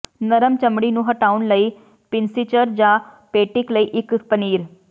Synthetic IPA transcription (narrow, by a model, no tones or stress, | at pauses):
nəɾəmt͡ʃəmɽiːnũːɦəʈaːʊnləiː | pɪnsɪt͡ʃəɾd͡ʒãːpeːʈɪkləiːʔɪkpəniːɾ